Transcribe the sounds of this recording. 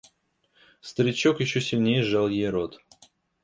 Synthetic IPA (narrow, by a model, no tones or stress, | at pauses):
st̪əɾʲɪt͡ɕːokjɪɕːosʲɪlʲnʲejəʐɑlˠjejɾot̪